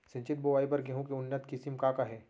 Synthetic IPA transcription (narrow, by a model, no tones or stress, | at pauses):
sɐ̃ɲt͡ʃɪt̪̚boʋaːipɐɾɡeɦũkeʊnːət̪kɪsɪmkaːkaɦɛː